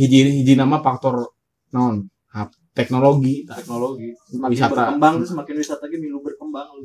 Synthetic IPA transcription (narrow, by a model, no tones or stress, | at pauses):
hid͡ʒiɦid͡ʒinamafak̚t̪ɔr | naɔn | hap̚ | t̪ɛk̚noloɡit̪k̚noloɡiawisaambaŋsəmakɪnwisat̪aɡimilubərkəmbaŋ